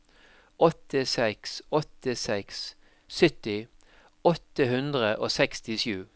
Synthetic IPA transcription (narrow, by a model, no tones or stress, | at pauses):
ʔɔt̪ɪsɛksɔt̪əsɛks | sʏt̪ɪ | ɔt̪əhʉnd̪ʁəʔoːsɛkst̪ɪʃjʉː